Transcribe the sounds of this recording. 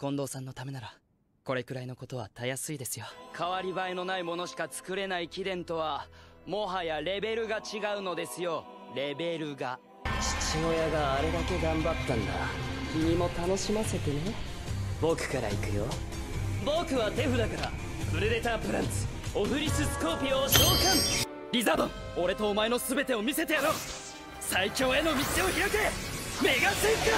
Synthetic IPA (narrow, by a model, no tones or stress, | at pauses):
kõ̞nd̪o̞ːsãnːo̞t̪ame̞naɾa | ko̞ɾe̞kɯ̟ɾaino̞ko̞t̪o̞βat̪ajasɨid̪e̞sɨjokʰaβaɾʲibaino̞naimo̞no̞ɕi̥kat͡sɨ̥kɯ̟ɾe̞naikʲid̪ẽ̞nt̪o̞βamo̞ɦajaɾe̞be̞ɾɯ̟ɡat͡ɕiɡaɯ̟no̞d̪e̞sɨjo̞ɾe̞be̞ɾɯ̟ɡa | t͡ɕi̥t͡ɕiojaɡaːɾe̞d̪ake̞ɡãmbat̪ːãnd̪a̰kʲiɲ̟imo̞t̪ano̞ɕimase̞t̪ene | bo̞kɯ̟̥kaɾa̰ḭkɯ̟jo̰ | bo̞kɯ̟βat̪e̞ɸɯ̟d̪akaɾa̰ | pɯ̟ɾed̪e̞t̪aːpɯ̟ɾãnsɨ̥ | oɸɯ̟ɾʲisɨsɨ̥ko̞ːpʲioɕo̞ːkãŋ | ɾʲizabõŋ | o̞ɾe̞t̪o̞ːmae̞no̞sɨbe̞t̪e̞o̞mʲise̞t̪ejaɾo̞ː | saikʲo̞ːe̞no̞mʲiseoçiɾakeme̞ɡasɨik̪a